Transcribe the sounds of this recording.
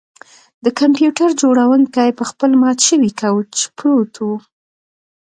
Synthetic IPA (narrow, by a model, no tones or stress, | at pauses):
d̪̥əkampjuʈaɾd͡ʒoɽawənkajpəxpəlmɑt̪ʃəwikawut͡ʃɪ̥pɾot̪ʰu